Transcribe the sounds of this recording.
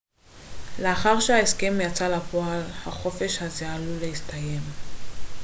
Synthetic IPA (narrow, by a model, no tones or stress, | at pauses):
le̞aχaʁʃehaeske̞mjat͡salapoalhaχo̞fe̞ʃhaze̞alulehistʰaje̞m